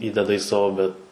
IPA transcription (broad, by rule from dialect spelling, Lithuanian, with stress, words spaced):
ˈiːdʲɛdɐ iː ˈsɑːʋoː bʲɛt